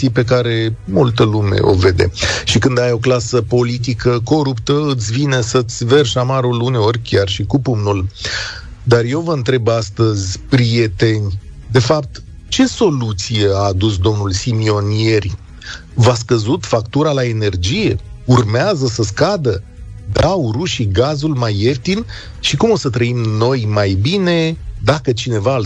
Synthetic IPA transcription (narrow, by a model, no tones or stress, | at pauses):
ijpe̞kaɾe̞mult̪əlume̞̰ʔo̞̰ve̞d̪e̞̰ʃikɨnd̪ajo̞klasəpo̞lit̪̬ikəko̞ɾupt̪əɨt̪sʲvinesət̪sʲve̞rʃamaɾuluneo̞rʲkʲjarʃikupumnul | d̪arje̞wvəɨnt̪ɾe̞bast̪əzʲpɾije̞t̪e̞nʲ | d̪e̞fap̚t̪ | t͡ʃe̞so̞lut̪sije̞aːd̪us̬d̪o̞mnulsimio̞nie̞rʲ | vas̬kəzut̪fakt̪uɾalae̞ne̞rd͡ʒije̞ | urmeazəsəskad̪ə | d̪awɾuʃiɡazulmajeft̪in | ʃikumo̞sət̪ɾəimno̞jmajbine̞d̪akət͡ʃine̞va